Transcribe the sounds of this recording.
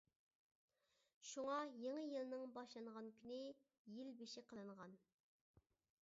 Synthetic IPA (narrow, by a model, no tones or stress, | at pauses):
ʃuŋɑjeŋəjɨlˠnɨŋbɑʃlˠɑŋʁɑnkʲʰynɪ | jilbeʃɪqʰəlˠɨɴʁɑn